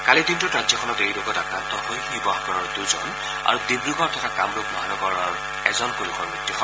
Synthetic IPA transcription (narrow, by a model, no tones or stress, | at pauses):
kalidintʊtɹazɔkʰɔnɔtejloɡɔtakɹant̪ɔhojxibaɦɡɔɹɔɹduzɔn | a̰ɹudibɹiɡɔɹtʰɔtʰakamɹuk̚mɔɦanɔɡɔɹɔɹ | ɛzɔnkolukɔɹbɹitːixʰɔ